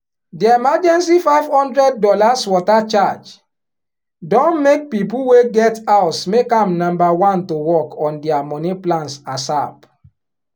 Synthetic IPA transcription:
diemad͡ʒɛ̃ns̬ifaɪv̥hɔ̃ndɹɛd̚ːɔlaswɔtat͡ʃad͡ʒ | dɔ̃nmek̚pipuweɡɛtaʊsmekãmnɔ̃mbawãntowɔkɔ̃ndɛamɔniplãnsasap

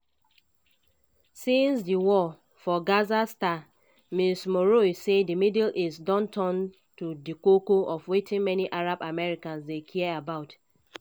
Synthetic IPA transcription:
sĩnsdiwɔ | fɔɡazasta | mismoɹoisedimidlɪsdɔ̃ntʰɔ̃n | tudikokoɔfwetɪ̃nmɛniʔaɹabamɛɹikãnsdekʰiɛabaʊt

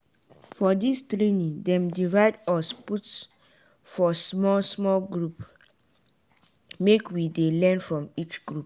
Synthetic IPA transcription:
fɔdistɾenĩndɛ̃mdivaɪdɔsputs | fɔsmɔlsmɔlɡɹup | mekwidelɛnfɹɔ̃mit͡ʃɡ̥ɹup

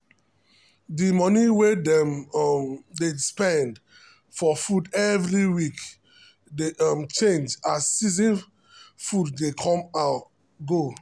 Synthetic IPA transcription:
dimɔniwedɛmmdespɛ̃nd | fɔfudɛvɹiwik | deɔmt͡ʃẽnd͡ʒasːizĩn | fudːekʰɔ̃maʊt | ɡo

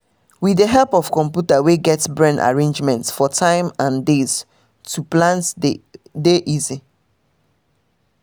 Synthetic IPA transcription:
wideɦɛlpɔfkɔ̃mpjutaweɡɛtsbɹɛ̃nda̰ɹẽnd͡ʒmɛ̃ntsfɔtʰãɪ̃mãndez̥ | tʰuplãnt | deʔizi

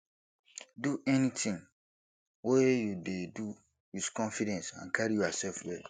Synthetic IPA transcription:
duʔɛnĩtʰĩŋ | wejudedu | juskʰɔ̃nfidɛ̃nsã̰nkʰaɾijuasɛlfwɛ

